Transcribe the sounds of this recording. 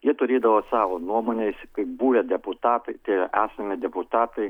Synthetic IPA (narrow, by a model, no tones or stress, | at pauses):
jiɛt̪ʊɾʲeːd̪ɐʋoːsɑːʋonuɔmoːnʲɛɪskɐɪbuːʋʲɛd̪ʲɛpʊt̪ɑːt̪ɐɪt̪ʲɐɪʔæːsɐmʲɪd̪ʲɛpʊt̪ɑːt̪ɐɪ